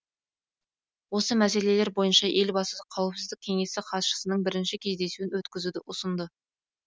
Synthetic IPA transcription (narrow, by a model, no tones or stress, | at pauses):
wo̞səmæse̞le̞le̞ɾbo̞jənʃɑʔe̞lbɑsəqʰːɑwəpsɪzd̪ɪkʲkʲʰe̞ŋe̞sɪqʰɑt̪ʃə̥sənəɴbɪɾɪnʃɪkʲʰe̞zd̪e̞suɪnwɵt̪kʲɪzud̪ɪʔʊsənd̪ə